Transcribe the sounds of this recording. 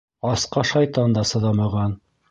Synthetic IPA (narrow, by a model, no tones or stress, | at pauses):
ɑsqɑʃɑjt̪ɑnd̪ɑsɤ̆ðɑmɑʁɑn